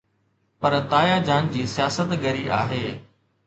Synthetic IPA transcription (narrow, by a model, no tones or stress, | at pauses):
pɐɾt̪aːjad͡ʑaːnd͡ʑiːsijaːsət̪ɡɐɾiʔa̰ːɦeː